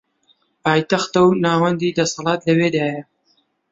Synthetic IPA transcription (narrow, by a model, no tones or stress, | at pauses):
pɑːjt̪axt̪awnɑːwand̪id̪asɑlɑːt̪lɐwed̪aja